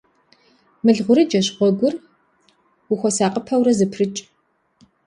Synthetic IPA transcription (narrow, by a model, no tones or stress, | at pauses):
mɨɮʁʷʊɾɨd͡ʒɐɕʁʷɔɡʷʊr | wʊxʷɔsaːqʼəpʰɐwɾɐzɨpʰrɨt͡ʃʼ